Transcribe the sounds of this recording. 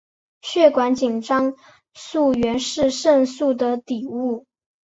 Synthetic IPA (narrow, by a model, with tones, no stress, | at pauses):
ɕɥɛ˥˩kwa˧˥nt͡ɕi˨˩ŋʈ͡ʂɑ˥ŋ | su˥˩ɥɛ˧˥nʂɻ̩˥˧ʂə˥˧nsu˥˩d̪ə˩t̪i˨˩u˥˩